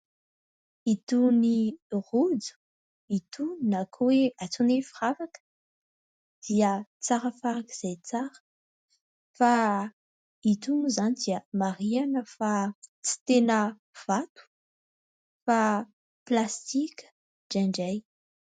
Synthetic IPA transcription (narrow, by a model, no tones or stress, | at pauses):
it̪unirud͡zu̥ | it̪unnakʰoweat͡sunefiravakə̥ | d̪̥iət͡saɾəfaɾakiz̥ejt͡saɾə̥ | fa | it̪unuzanid̪iəmarianəfat͡si̥t̪enə | v̥at̪u̥ | fa | plast̪ikʲə̥ | ɖ͡ʐaɳɖ͡ʐaj